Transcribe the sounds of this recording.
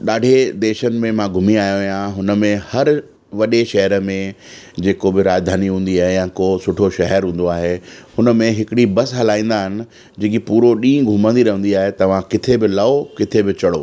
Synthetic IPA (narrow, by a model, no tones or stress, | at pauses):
ɗaːɖʱed̪eːʃənɪ̆mẽmãɡʱʊmiaːjoʋijãɦʊnəmẽhɐɾ | ʋɐɗeʃɐɦəɾəmẽ | d͡ʑeːkobɪɾaːd͡ʑd̪ʱaːniɦũːnd̪iaːɦejãkoːsʊʈʰoʃɐɦɛɾɦũːn̆d̪oaːɦehʊnəmẽɦɪkɪɽibɐsɦɐlaːĩːn̆d̪aːɦɪnɪ̆ | d͡ʑĩːkipuːɾoɗĩːɡʱʊmə̃nd̪iɾɐɦə̃nd̪iaːɦet̪ɐʋ̤ãkɪt̪ʰebɪlɐokɪt̪ʰebɪt͡ɕɐɽoː